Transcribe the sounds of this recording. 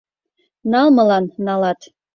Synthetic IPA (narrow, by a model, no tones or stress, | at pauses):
nɑlˠmɤlɑnnɑlɑt̪